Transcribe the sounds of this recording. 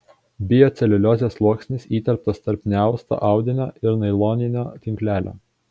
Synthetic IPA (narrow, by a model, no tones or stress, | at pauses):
bʲɪjoːt̪sʲɛlʲɪlʲoːzʲeslˠuɔksʲnʲɪsiːt̪ʲɛlʲp̚t̪ɐst̪ɐɾʲpʲnʲæˑʊst̪o̰ʔɑˑʊd̪ʲɪnʲoːɪɾnɐɪlˠoːnʲɪnʲoːt̪ʲɪŋʲklʲæːlʲo̰ː